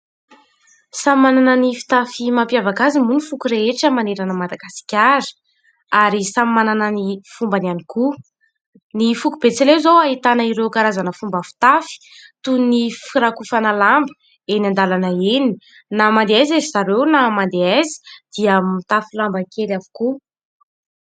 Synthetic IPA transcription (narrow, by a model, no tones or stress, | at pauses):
samimananənifi̥t̪afimampjavakazimunifukuɾeeʈ͡ʂəmaneɾanəmad̪aɡasi̥kʲaɾi̥ | aɾisamimananənifumbananiku | nifukub̥et͡selewzowaɦit̪anəiɾewkaɾazanəfumbəfi̥t̪afi̥t̪unnifiɾakufanəlambə̥ | enand̪alanəeni̥ | namand̪eajzezizaɾewnamand̪eazi̥d̪̥iəmit̪afilambəkʰelavu̥ku